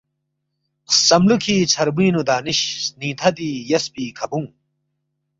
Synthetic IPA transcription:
sɐmlukʰiːt͡ɕʰɐɾbiːnud̪aːniɕniːt̪ʰɐd̪iːjɐspiːkʰɐbũŋ

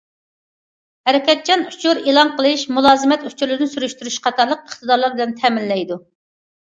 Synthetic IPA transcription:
hɛɾɪkʲɛt̪̚t͡ʃʰɑnut͡ʃʰuɾelˠɑnqʰəlˠɨʃmulˠɑːzɨmɛt̪ut͡ʃʰuɾlɪɾnɪsyɾyʃt̪yɾyʃqɑt̪ʰɑɾlˠəq̚əχt̪ɨd̪ɑɾlˠɨɾbɨlɨnt̪ʰɛmɪnllɛjd̪u

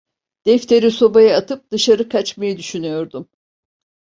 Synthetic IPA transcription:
d̪̥ɛft̪ʰe̞ɾiso̞bajɯat̪ʰɯp̚d̪̥ɯʃaɾɯkʰat͡ʃmajɯd̪yʃynyjo̞ɾd̪um

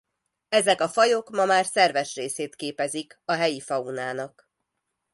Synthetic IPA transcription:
ɛzɛkɒfɒjo̞kmɒmaːrsɛrvɛʃreːseːt̪keːpɛzikɒɦɛjifɒunaːnɒk

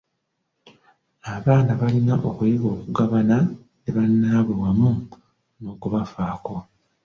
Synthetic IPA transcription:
aβaːnaβalinaʔo̞kujiɡo̞ːkuɡaβana | neβanːaːβulwamu | noːkuβafaːko̞

